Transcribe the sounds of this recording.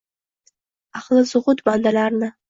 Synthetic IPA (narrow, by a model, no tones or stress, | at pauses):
ɑχlˠɪsʊʁʊt̪bɑnd̪alaɾnɪ